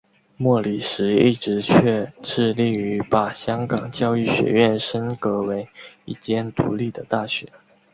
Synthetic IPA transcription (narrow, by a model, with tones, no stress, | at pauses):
mwɔ˥˩li˨˩ʂɻ̩˧˥i˥˩ʈ͡ʂɻ̩˧˥t͡ɕʰɥɛ˥˧ʈ͡ʂɻ̩˥˧li˥˩y˧˥pa˨˩ɕjɑ˥ŋkɑ˨˩ŋt͡ɕjɑ˥˧ʊy˥˩ɕɥɛ̰˧˥ɥɛ˥˩nʂə˥nkɤ˧˥we˧˥ɪi˥˩t͡ɕjɛ˥nt̪ṵ˧˥li˥˩d̪ə˩t̪a˥˩ɕɥɛ̰˧˩˦